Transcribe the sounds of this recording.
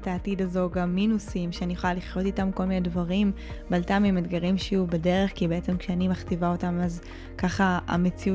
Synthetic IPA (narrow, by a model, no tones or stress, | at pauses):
taːtidazo̞ɡamːinusimʃeanijχolaliχjo̞t̪itamko̞lminedvaʁimbalt̪amimedɡaʁimʃejubede̞ʁeχkibeet͡se̞mkʃeanimaχt̪ivao̞tamaz | kaχaa̰met͡siu